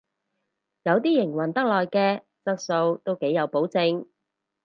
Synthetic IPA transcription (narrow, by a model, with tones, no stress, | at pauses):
jɐ˨˧wt̪̬iː˥jɪ˨˩ŋwɐ˨˩nt̪ɐ˥k̚lɔː˨jkɛː˧ | t͡sɐ˥k̚so˧wt̪o˥wke˨˥jɐ˨˧wpo˨˥wt͡sɪ˧ŋ